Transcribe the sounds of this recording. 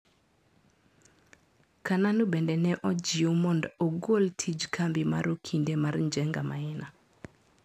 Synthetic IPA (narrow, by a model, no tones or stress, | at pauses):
kananubendɛnɛʔɔd͡ʒɪomɔndoɡoltʰid͡ʒkʰambima̰ɾokʰindemarɲd͡ʒɛŋɡama̰ɛna